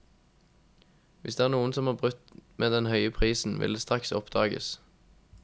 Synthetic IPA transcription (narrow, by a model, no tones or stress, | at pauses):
ʋɪsd̪eːæːʁnuːənsɔmhɑːbʁʉt̪meːd̪ɛnhœʏəpʰʁiːsn̩ʋɪ̰ld̪eːst̪ʁɑksɔpd̪̥ɑːɡə̰s